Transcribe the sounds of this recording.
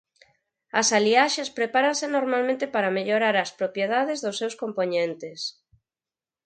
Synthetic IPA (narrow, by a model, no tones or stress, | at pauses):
ɐsaliaʃespɾepaɾansenoɾmalmẽnt̪epaɾameʎoɾaɾaspɾopjeð̞aðezðosːewskompoɲẽnt̪es